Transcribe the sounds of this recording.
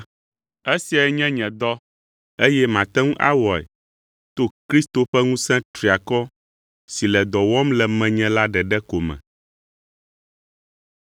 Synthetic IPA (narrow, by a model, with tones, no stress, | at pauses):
e˦si˨a˨ɛ˨ɲɛ̃˦ɲɛ̃˨d̪ɔ˦ | e˦jɛ˦mã˨t̪ɛ̃˦ŋũ˦ʔa̰˦wɔ˨ɛ̰˨ | t̪o˦kɾi˦st̪o˨ɸɛ˦ŋũ˦sɛ̃˦t̪ɾi˨a˨kɔ˦ | si˨lɛ˨d̪ɔ˨wɔ˦mlɛ˨mɛ̃˨ɲɛ̃˦la˦ɖɛ˨ɖɛ˦ko˨mɛ̰̃˨